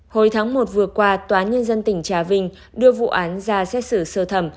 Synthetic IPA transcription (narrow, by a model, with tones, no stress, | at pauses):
ho˧˩jt̪ʰaː˨˦ŋmo˨˩t̚vɨ˨˩əkwaː˧t̪waː˨˦nɲə˧nzə˧nt̪ï˧˩ŋ̟t͡ɕaː˧˩vï˧˩ŋ̟ | ɗɨ˧əvṵ˧˨ʔaː˨˦nzaː˧˩sɛ˦˥t̚sɨ˧˩səː˧˩t̪ʰə˧˩m